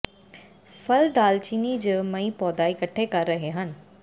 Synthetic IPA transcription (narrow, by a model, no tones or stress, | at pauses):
fʰəld̪aːlt͡ʃiːnid͡ʒəmɐĩːpɔːd̪aːɪkəʈʰːekɐɾːəɦeɦən